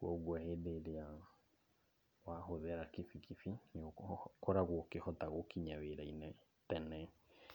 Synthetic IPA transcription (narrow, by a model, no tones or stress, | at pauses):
wɔɣwahedeɾea | waɦoðɛɾakifikʰifinokɔɾaɣɔkehɔtaɣokiɲaweɾainɛ | tɛnɛ